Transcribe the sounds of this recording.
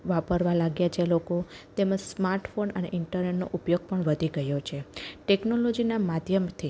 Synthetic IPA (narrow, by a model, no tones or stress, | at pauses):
ʋapəɾʋalaɡjat͡ʃʰelokot̪emad͡ʒsmaɾʈfonənḛʔɪɳʈəɾneʈno̰ʔupjoɡ̚pəɳʋəd̪ʱiɡəjot͡ʃʰeʈeknolod͡ʒinamad̪ʱjəmt̪ʰi